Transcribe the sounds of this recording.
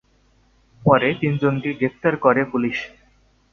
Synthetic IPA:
pɔɾet̪ind͡ʑonkeɡɾeft̪aɾkoɾepuliʃ

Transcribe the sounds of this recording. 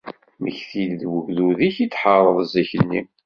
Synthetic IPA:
məçθilðwəʝðuðiçit͡sːħəɾˤəðˤəzæçəlːi

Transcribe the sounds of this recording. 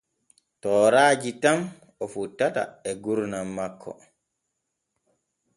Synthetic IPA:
tɔːɾaːd͡ʒitam | ɔfutːata̰ɛɡuɾnamːakʰːɔ̰

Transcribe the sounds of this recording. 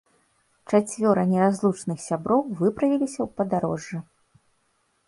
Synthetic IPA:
t͡ʂat͡sʲvʲɔɾɐnʲɛɾazlˠut͡ʂnɨxsʲabɾɔwvɨpɾɐvʲilʲisʲɐwpɐd̪aɾɔ̰ʐːɨ

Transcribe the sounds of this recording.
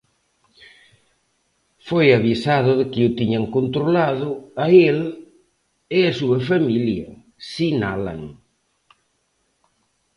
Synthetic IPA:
fojaβisaðʊðɪkɪut̪iɲaŋkont̪ɾolaðʊael | ɪasuɐfamiljɐ̰ | sinala̰ŋ

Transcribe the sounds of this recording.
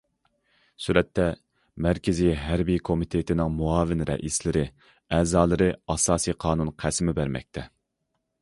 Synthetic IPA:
syɾɛt̪ʰːɛ | mæɾkʲɪzijɦæɾbikʰomɪt̪ʰet̪ʰɪnɪŋmuɑːvɪnɾɛ̰ʔislɪɾɪ | ɛːzɑːlˠɨɾɨɑsɑːsiqʰɑːnunqʰæsmɪbæɾmɛ̰k̚ʲt̪ʰɛ

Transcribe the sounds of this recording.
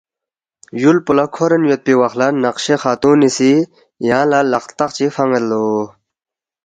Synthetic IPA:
julpulakʰoɾənjot̪̚piwaχlanaqɕexat̪ũnisi | jãlalɑχt̪ɑqt͡ɕifʰaŋəlːo

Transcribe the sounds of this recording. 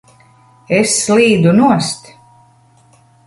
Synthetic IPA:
esːliːd̪unuɔst̪

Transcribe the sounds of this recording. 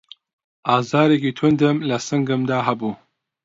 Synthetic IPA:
ɑːzɑːɾekiːt̪ʰʊnd̪ɨmlɐsɨŋɡɨmd̪aːɦɐbuː

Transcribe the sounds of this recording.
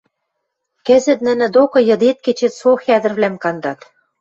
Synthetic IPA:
kɘ̆zɘ̆t̪̚nɘ̆nɘ̆d̪okɤ̆jɤ̆d̪et̪̚ket͡ɕĕt̪soxæd̪ɘ̆rβlæmkɑnd̪ɑt̪

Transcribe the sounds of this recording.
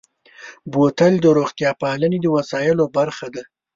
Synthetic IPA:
bot̪əld̪əɾoɣt̪jɑpahlaned̪əwasɑjɪlobaɾxad̪a

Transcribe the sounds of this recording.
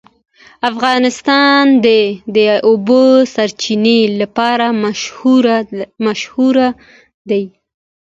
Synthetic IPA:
afɣɑnɪst̪ɑnd̪ed̪əobəsaɾt͡ʃinelapɑɾahɾmaʃhuɾa | d̪aj

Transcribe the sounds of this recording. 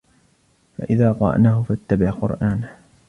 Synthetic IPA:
fa̰ʔɪðaːqɑɾˤɑ̰ʔnaːhʊfat̪ːabɪʕqʊ̰ɾˤʔaːn

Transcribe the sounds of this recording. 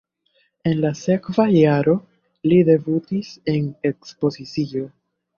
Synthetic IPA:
e̞nlase̞kvajaɾo̞ | lide̞butise̞ne̞kspo̞zit͡sio̞

